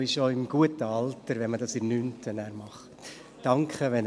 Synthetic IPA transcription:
ɪʃoɪmɡ̥uətəɑltəɾʋɛnmədɑsɪnyntʰənæːɾmɑχtː | ɑŋkχəʋɛn

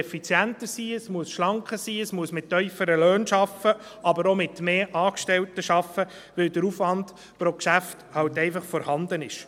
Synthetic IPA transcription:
ɛfit͡sjæntəsiːəsmuəsʃlɑŋkχəsiːəsmuəsmɪtːœʏfəɾəløːnʃɑfə | ʔɑbəɾomɪtmeːʔɑːkʃtɛltəʃɑfə | ʋɪld̥əɾufʋɑnd | pɾɔkʃæfthɑwtɛɪfɑχfɔɾhɑnd̪ənɪʃ

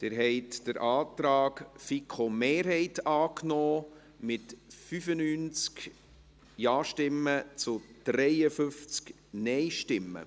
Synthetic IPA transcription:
tɪɾɦɛɪtd̥əɾʔɑːt̪ɾɑːkfikʰomeːɾɦɛɪtɑːknoː | mɪtfyfənyːnt͡sk | jɑːʃtɪmːət͡sʊd̪̥ɾɛjəfʏft͡sk | nɛɪʃtɪmːə̰

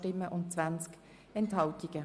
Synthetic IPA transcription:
tɪməʔʊnt̚t͡sv̥ansk | ɛnthɑltɪɡ̥ə

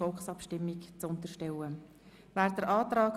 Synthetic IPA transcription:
ɔlxsɑpʃtɪmːɪkt͡sʊnt̪əɾʃtɛwə | væːɾd̥̪əɾʔɑːt̪ɾɑːk

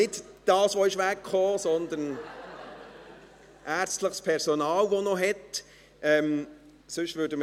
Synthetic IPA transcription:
ɪt | d̥ɑːsʋoɪʃʋækχoːsɔnd̪ən | ʔæːɾt͡stləχspʰɛɾsonɑːlʋonɔɦɛt | ɛm | sʏʃtvʏːdəmə

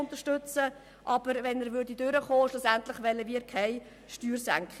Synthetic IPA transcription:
ʊnt̪əɾʃtʏt͡sə | ʔɑb̥əɾvɛnæːɾʋʏɾdidøɾəχoːʃlʊsæntlɪχʋɛləʋiːɾkʰaɪ | ʃtyːrsæ̰ŋkχ

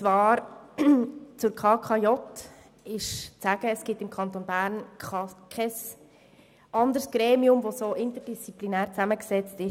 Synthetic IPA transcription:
t͡svɑːɾ | t͡sʊɾkʰɑːkʰɑjɔt | ɪʃt͡sæɡ̥əːsɡ̥ɪtɪmkʰɑnt̪onbæːɾnkɑkʰɛs | ʔɑnd̪əɾsɡ̥ɾeːmiʊmʋosoːʔɪntədist͡siplinæːɾt͡sæməksɛt͡stɪ

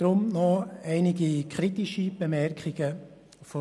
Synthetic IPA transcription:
d̥ɾʊmnɔɛɪnɪɡikʰɾitiʃib̥emɛɾkχɪɡ̥ə | fɔ

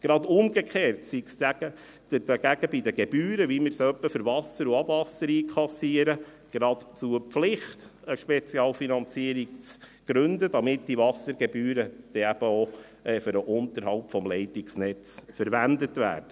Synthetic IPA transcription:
ɡ̥ɾɑd̪ʊmɡ̥ekχeːrtsiksæɡ̥ə | d̥əd̥ɑɡæɡəbid̪əɡ̥eb̥yːɾəʋimɪɾsœpːəfʏɾvɑsəɾuɑb̥vɑsəɾiːkʰlɑsiəɾə | ɡ̥ɾɑt̪t͡suəpflɪχtəʃpɛt͡siɑːlfinɑnt͡siːəɾik̚t͡sɡ̥ɾɵndəd̥̪ɑmɪtd̥ivɑsəɾɡ̥ɛbyːɾəd̥ɛæb̥əo | ɛføɾəʔʊnt̪əɾhɑlpfɔmlɛɪtiksnɛt͡sfəɾʋænd̪ətvæ̰ːɾd̥ə

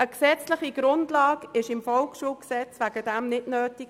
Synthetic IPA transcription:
əksɛt͡slɪχiɡ̥ɾʊndlɑːɡɪʃɪmfɔlkʃuːlksɛt͡sʋæɡəd̥ɛmnɪdnøːtik

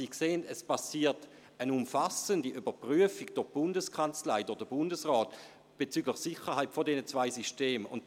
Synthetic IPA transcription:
ikseːəndɛspʰasiːɐt | ənʊmfasəndiʔybɐpʁyəfiɡd̥ʊʁb̥ʊndəskʰant͡slaɪdʊdəbʊndəsʁɔːt | b̥et͡syɡləχsiχəʁhaɪtfodɛnət͡sv̥aɪsiʃteːmʊ̰n

